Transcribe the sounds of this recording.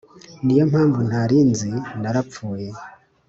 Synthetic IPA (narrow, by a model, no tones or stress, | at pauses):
nijamhaːɱvun̥aɾiːnzinaɾap͡fuːje